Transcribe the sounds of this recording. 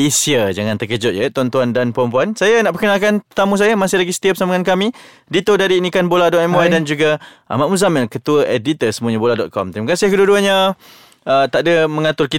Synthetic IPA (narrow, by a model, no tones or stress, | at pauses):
isiəd͡ʒaŋãnt̪əkəd͡ʒʊt̪̚jət̪uant̪uandanpəɾɔmpuansajanaʔpəkənakanət̪amus̬ajamasɪhlaɡisə̥t̪iap̚samaŋankami | dit̪ʊdaɾiːnikanboladɔt̪ɛmwadand͡ʒuɡaʔa̰maʔ̚muzamɪlkət̪uəʔedit̪əsəmũaɲaboladɔt̪̚kʰɔ̰mt̪ɾimakasɪhkəduduəɲa | ət̪aʔdəməŋat̪ʊrki